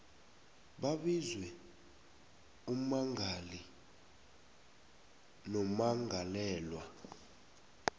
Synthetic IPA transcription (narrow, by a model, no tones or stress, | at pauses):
ɓaɓizwɛ | umaŋʱali | nɔmaŋʱalɛːlwa